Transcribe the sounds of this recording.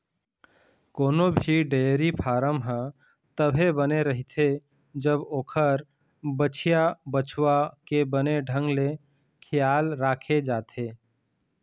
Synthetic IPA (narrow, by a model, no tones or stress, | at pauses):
koːnobʱiɖeːɾipʰaːɾəmɦə̃ | t̪əbʱebəneɾɐɦit̪ʰe | d͡ʒəboːkʰəɾ | bət͡ʃʰijabət͡ʃʰwakebəneɖʱə̃ŋɡle | kʰɪjaːlɾaːkʰed͡ʒaːt̪ʰeː